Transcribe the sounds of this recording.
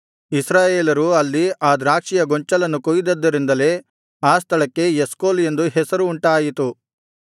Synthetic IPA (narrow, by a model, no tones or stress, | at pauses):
isɾaːjeːlɐɾuɐlːiaːd̪ɾaːkʂijɐɡoɲt͡ʃɐlɐnːukojid̪ɐd̪ːɐɾind̪ɐle̞ː | aːst̪ʰɐɭɐkːe̞jeskoːle̞nd̪uɦɛsɐɾuːɳʈaːjit̪u